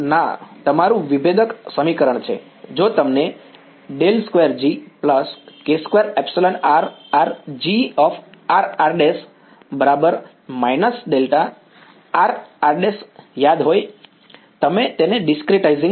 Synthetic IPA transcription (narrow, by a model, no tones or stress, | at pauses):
na̰t̪əmaɾũʋibed̪əksəmikəɾəɳt͡ʃʰḛ | d͡ʒot̪əmne | ɖelskʋeɾd͡ʒipləskeskʋeɾɛpseləɳaɾaɾd͡ʒiɔfaɾaɾɖes | bəɾabəɾ | majnəsɖelt̪a | aɾaɾɖesjad̪ɦoj | t̪əmet̪eneɖɪskɾiʈaizĩŋ